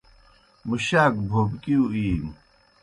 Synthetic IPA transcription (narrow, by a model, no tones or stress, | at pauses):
muɕaːk̚bʱoːbkiuiːm